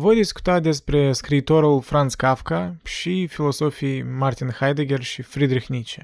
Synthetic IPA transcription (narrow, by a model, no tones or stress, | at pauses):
vojd̪isku̥t̪at̪̚d̪espɾe̞skɾiːt̪o̞ɾulfɾant̪skafkaʃifilo̞sofijmart̪inxajd̪eɡʲerʃifɾid̪ɾixnʲit͡ʃe